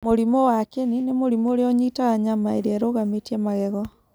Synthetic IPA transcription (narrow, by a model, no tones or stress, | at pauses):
moɾimowakeninemoɾimoɾeɔɲitaɣaɲamaeɾeɛɾoɣametiɛmaɣɛɣɔ